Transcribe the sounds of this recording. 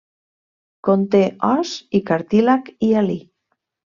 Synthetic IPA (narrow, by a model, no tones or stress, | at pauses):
kont̪eɔsikaɾt̪ilakiali